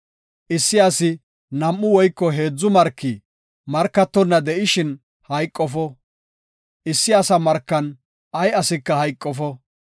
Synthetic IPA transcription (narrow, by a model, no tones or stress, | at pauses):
ʔɪsːɪɐsɪ | nɐmːʊwɔjkːɔɦe̞ːd͡zːʊmɐɾkːɪ | mɐɾkːɐt̪ːɔnːɐd̪ɛʔɪʃɪn | hɐjkʼːɔfɔ | ʔɪsːɪɐsɐmɐɾkːɐn | ɐjɐsɪkːɐhɐjkʼːɔfɔ